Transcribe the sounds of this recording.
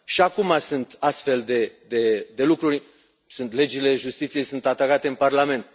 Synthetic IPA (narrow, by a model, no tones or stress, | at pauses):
ʃiakumasɨnt̪ast̪fe̞ld̪e̞d̪e̞d̪e̞lukɾuɾʲ | sunt̪le̞d͡ʒile̞ʒust̪it̪sije̞jsunt̪at̪akat̪e̞ɨnparlame̞nt̪